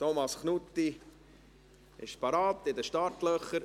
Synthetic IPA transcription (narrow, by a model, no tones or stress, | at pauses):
t̪omɑsχnut̪ːi | ɪʃpɑɾɑːt̪ɪdəʃtɑɾtlœχəɾ